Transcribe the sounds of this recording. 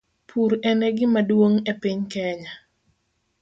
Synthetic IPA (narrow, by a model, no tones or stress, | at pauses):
pʰuɾɛnɛɡɪmadwoŋɛpiɲkɛɲa